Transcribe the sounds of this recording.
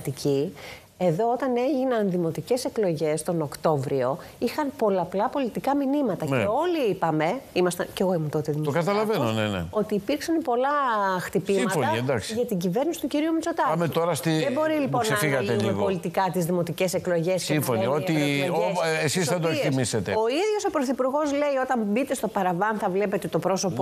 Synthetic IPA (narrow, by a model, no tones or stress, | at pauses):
t̪ici | e̞ðo̞ot̪ɐne̞ʝinɐnðimo̞t̪ice̞se̞klo̞ʝe̞st̪o̞nokt̪o̞vɾio̞ | ixɐnpo̞lɐplɐpo̞lit̪ikɐminimɐt̪ɐneeo̞liipɐme̞imɐst̪ɐnce̞ɣo̞imunt̪o̞t̪eðimot̪okɐt̪ɐlɐvenonḛnḛo̞t̪iːpiɾksɐnpo̞lɐxt̪ipizmimɐtfonɐiend̪ɐksiʝɐt̪iɟive̞ɾnisi̥t̪uciɾiumit͡so̞t̪ɐpɐmet̪o̞ɾɐst̪iðebo̞ɾilipo̞nneɐfiɣɐlieuʎimeɣoo̞lit̪ikɐt̪izðimo̞t̪ice̞se̞klo̞ʝe̞ssiɱfoniot̪ioesisθɐd̪oeimiset̪eoiðjo̞so̞pɾoθipuɾɣo̞zle̞io̞t̪ɐmbit̪e̞st̪o̞pɐɾɐvɐnθɐvle̞pe̞t̪e̞t̪o̞pɾo̞so̞po